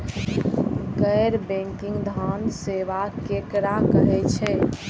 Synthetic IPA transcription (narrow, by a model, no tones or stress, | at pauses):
ɡəjɾbẽŋkĩŋɡd̪ʱanseʋakekɾakəɦɛt͡ʃʰɛ